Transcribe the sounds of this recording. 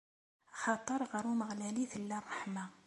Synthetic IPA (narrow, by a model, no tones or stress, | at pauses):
xɑt̪ˤəɾˤʁəɾuməɣlæliθəlːærˤːɑħma